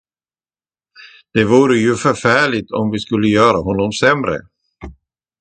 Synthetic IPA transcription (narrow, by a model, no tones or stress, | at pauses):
d̪̥ɛvuːɾəjɵfœfæːɭɪt̪ɔ̰mvɪskɵlːəjœːɾaɦɔnːɔmsɛmɾə̰